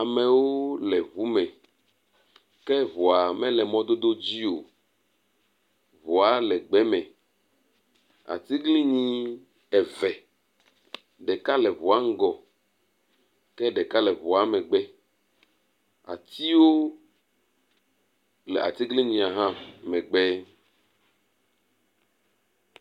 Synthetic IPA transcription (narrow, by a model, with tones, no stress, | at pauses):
a˨me˨wo˦lɛ˨βu˨˦mɛ̃˨ | kɛ˦βu˨a˨mɛ̃˦lɛ˨mɔ̃˦d̪o˦d̪o˦d͡ʑi˦o˨ | βu˨a˦lɛ˨ɡ͡bɛ˦mɛ̃˨ | a̰˨t̪i˦ɡlĩ˦ɲĩ˦ | ɛ˨vɛ˨ | ɖɛ˨ka˦lɛ˨βu˨a˦ŋ̩˦ɡɔ˨ | kɛ˦ɖɛ˨ka˦lɛ˨βu˨a˨mɛ̃˨ɡ͡bɛ˦ | a̰˨t̪i˦wo˦ | lɛ̰˨ʔa̰˨t̪i˦ɡlĩ˦ɲĩ˨a˨ɦã˦mɛ̃˨ɡ͡bɛ˦